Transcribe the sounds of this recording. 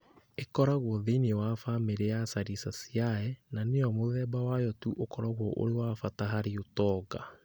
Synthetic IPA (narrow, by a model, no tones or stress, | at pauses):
ekɔɾaɣwɔðenewafameɾeasaɾisasiaɛnaneɔmoðɛːbawajɔtuʔokɔɾaɣwɔʔo̰ɾewafataɦaɾeotɔɡa